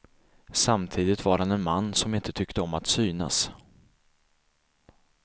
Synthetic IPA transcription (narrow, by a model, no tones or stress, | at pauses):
samt̪ʰiːd̪ɪt̪vaɾhanɛnmanːsɔmɪnt̪ʰət̪ʰʏkt̪əɔmat̪syːna̰s